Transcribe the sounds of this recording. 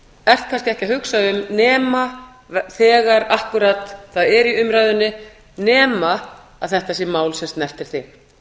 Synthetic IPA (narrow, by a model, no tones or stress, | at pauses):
ɛr̥t̪̚kʰanscɪɛhcaɦʏksaʏmnɛːma | θɛːɣaɾahkʏɾat̪θaðɛɾiʏmɾaːjðʏnːɪ | nɛːma | aðθɛht̪asjɛmaːwlsɛmst̪nɛr̥t̪ɪɾ̥θɪ